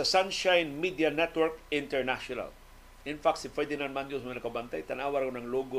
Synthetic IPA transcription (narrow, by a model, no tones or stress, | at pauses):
ɐsanʃajnmid̪ianɛt̪wɛɹkɪ̃nt̪ɛɹnaʃona̰l | ɪnfak̚t̪sɪfɛd̪ɪnanmanjosmajnɐkabant̪ajt̪ɐnaːwaɾɐkonɐŋloɡo